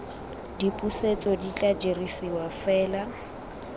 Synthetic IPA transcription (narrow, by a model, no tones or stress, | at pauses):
dipʼuset͡sʼɔdit͡ɬʼad͡ʒerisiwafɛːla